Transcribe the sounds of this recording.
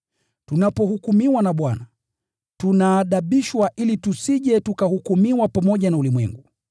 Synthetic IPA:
tunapɔhukumiwanaɓwana | tunaːɗaɓiʃwaʔilitusiʄɛtukahukumiwapamɔʄanaulimwɛ̰ŋɡu

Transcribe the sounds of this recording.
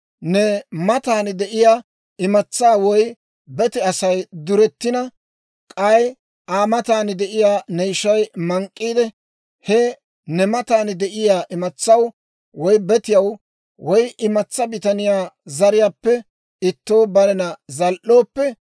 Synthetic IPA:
nɛmɐt̪aːnd̪ɛʔɪjaː | ɪmɐt͡sːaːwɔj | bɛt̪ɪɐsɐjd̪ʊɾɛt̪ːɪnɐ | kʼɐj | ʔaːmɐt̪aːnd̪ɛʔɪjaːnɛjɪʃɐjmɐŋkʼːiːd̪ɛ | hɛ | nɛmɐt̪aːnd̪ɛʔɪjaːʔɪmɐt͡sːɐw | wɔjbɛt̪ɪjɐw | wɔjɪmɐt͡sːɐbɪt̪ɐnɪjaːzɐɾɪjaːpːɛ | ɪt̪ːo̞ːbɐɾɛnɐzɐlʔo̞ːpːɛ

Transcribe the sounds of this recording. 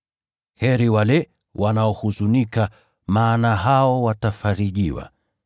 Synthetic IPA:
hɛɾiwalɛ | wʔanaɔhuzunika | maːnaɦaɔwatafaɾiʄiwa̰

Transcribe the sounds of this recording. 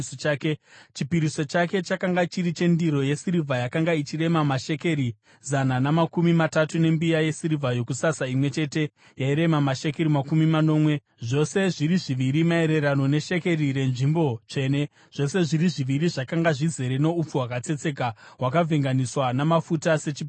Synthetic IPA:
ket͡ʃipiɾiso̞t͡ʃake̞t͡ʃakaŋɡat͡ʃiɾit͡ʃe̞ndiɾo̞je̞siɾivʱajakaŋɡait͡ʃire̞mamaʃe̞ke̞ɾi | zananamakumimatatune̞mbijaje̞siɾivʱajo̞kusasaimwe̞t͡ʃe̞te̞ | jaiɾe̞mamaʃe̞ke̞ɾimakumimano̞ːmwe̞ | ʐo̞se̞ʐiɾiʐiʋiɾimae̞ɾe̞ɾano̞ne̞ʃe̞ke̞rire̞nʐimbo̞t͡ʃe̞ːne̞ | ʐ̥o̞se̞ʐiɾiʐiʋiɾiʐakaŋɡaʐize̞ɾe̞no̞up͡fuwakat͡se̞t͡se̞ːkaɦwakavʱeŋɡaniswanamafutase̞t͡ʃip

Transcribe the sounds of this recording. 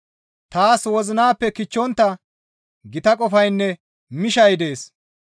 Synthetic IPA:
t̪aːswɔzɪnaːpːɛkɪt͡ʃːɔnt̪ːɐ | ɡɪt̪ɐkʼɔfɐjnːɛ | mɪʃɐjd̪e̞ːs

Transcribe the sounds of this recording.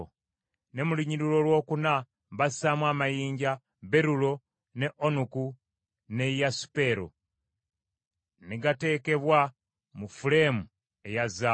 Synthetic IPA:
ne̞muliɲiɾilo̞lwo̞ːkuna | βassamwaːmajiːɲɟa | βe̞ɾulo̞ | ne̞ʔonuku | ne̞jasu̥pe̞ɾo̰ | niɡate̞ːke̞βwa | mufulemu | e̞jaza

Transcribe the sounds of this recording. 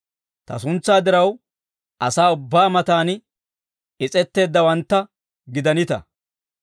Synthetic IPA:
t̪ɐ̰sʊnt͡sːaːd̪ɪɾɐw | ʔɐsaːʊbːaːmɐt̪aːnɪ | ɪt͡sʼɛt̪ːe̞ːd̪ːɐwɐnt̪ːɐ | ɡɪd̪ɐnɪt̪ɐ̰

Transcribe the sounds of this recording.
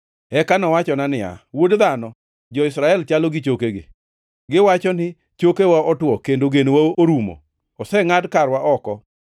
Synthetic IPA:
ɛkanɔwat͡ʃɔnanɪa̰wodd̪anɔ | d͡ʒɔɪsɾaɛlt͡ʃalɔɡɪt͡ʃokeɡɪ̰ | ɡɪwat͡ʃɔnɪ | t͡ʃokewaɔtwɔkendoɡenwaoɾumo̰ | ɔsɛŋadkaɾwaʔɔkɔ

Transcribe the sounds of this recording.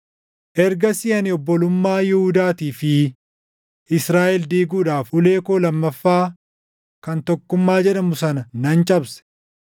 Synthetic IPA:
ʔɛɾɡɐsɪɐnɪɔbːɔlʊmːaːjɪhʊd̪aːt̪iːfɪ | ʔɪsɾaːʔɛld̪iːɡuːᶑaːfʊle̞ːkoːlɐmːɐfːaː | kɐnt̪ɔkːʊmːaːd͡ʒɛᶑɐmʊsɐnɐnɐnt͡ʃʼɐbsɛ̥

